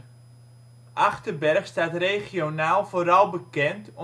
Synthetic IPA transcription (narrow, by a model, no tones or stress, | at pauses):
ʔaχtəbɛrxstaːtrejχjonaːlˠv̥oːɾɑlˠbəkɛntɔ